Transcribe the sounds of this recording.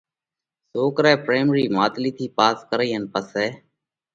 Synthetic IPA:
soːkɾɛːpɾeːmɾiːmaːt̪liːt̪ʰiːpaːskəɾiːɦənpəseː

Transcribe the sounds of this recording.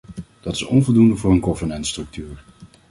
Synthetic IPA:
d̥ɑtɪ̥sɔ̰nvɔlˠdundəvʊːɹənkɔvənɛntstrɵk̚tyːɹ

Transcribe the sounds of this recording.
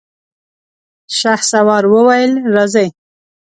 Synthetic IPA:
ʃaxsawɑɾwəwajəlɾazaj

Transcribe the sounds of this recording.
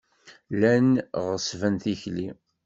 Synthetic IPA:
lænʁəsvænθiçli

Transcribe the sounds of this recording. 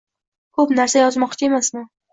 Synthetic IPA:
kʰopnaɾsajɒzmɒqt͡ʃʰae̞masnɪ

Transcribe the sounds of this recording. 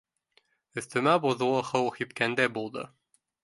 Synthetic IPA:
ɵ̆θt̪ɵ̆mæbuðulˠɤ̆χɤwhipkænd̪æbulˠd̪ɤ̰

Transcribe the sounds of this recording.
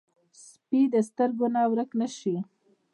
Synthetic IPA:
s | pid̪əst̪əɾɡonawɾəknəʃi

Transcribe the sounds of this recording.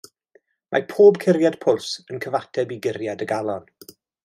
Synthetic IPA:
mʔa̰pʰoːbkʰɪɾjad̥pʰʊlˠsənkʰəvatʰɛbiɡɪrjadəɡalˠɔn

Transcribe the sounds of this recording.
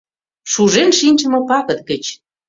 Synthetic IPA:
ʃuʒenʃinʲt͡ʃə̆mɤ̆pɑkə̆t̪̚ɡə̆t͡ɕ

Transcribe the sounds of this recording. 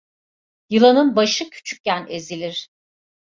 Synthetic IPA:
jɯlˠanɯnbaʃɯcʰy̥t͡ʃʰy̥c̚cænezilʲiɾ̥

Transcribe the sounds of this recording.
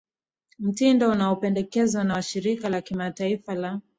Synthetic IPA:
m̩tindɔunaɔpɛndɛkɛzanaʃiɾikalakimataifala

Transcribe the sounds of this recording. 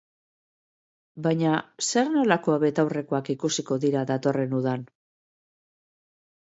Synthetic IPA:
bajɲase̞ɾno̞lako̞aβe̞t̪awre̞ko̞akikusiko̞ðiɾaðat̪o̞re̞nuð̞an

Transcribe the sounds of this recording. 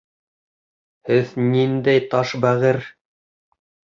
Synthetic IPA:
hɘðnind̪æjt̪ɑʃbæʁɘɾ

